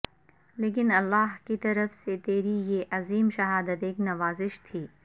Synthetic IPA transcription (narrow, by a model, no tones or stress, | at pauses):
leːk̬ɪnɐlːaːɦkit̪ɐɾəfset̪eːɾijeʔɐziːmʃɐɦaːd̪ət̪eːknɐʋaːzɪʃt̪ʰiː